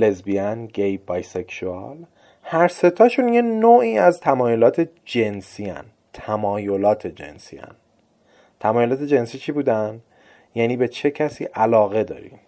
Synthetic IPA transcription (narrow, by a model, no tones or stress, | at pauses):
le̞zbiænɟejbɒːjseksuɑ̰l | hæɾse̞t̪ʰɒːʃunjenoːʔiːæzt̪ʰæmɒːjo̞lɒːt̪ʰe̞ | d͡ʒe̞nsiæ̰n | t̪ʰæmɒːjo̞lɒːt̪ʰe̞d͡ʒḛnsḭæ̰n | t̪ʰæmɒːjolɒːt̪ʰe̞d͡ʒe̞nsiːt͡ʃʰibuːd̪æn | jæniːbe̞t͡ʃʰe̞cʰæsḭːʔælɒːɣe̞d̪ɒ̰ːɾḭ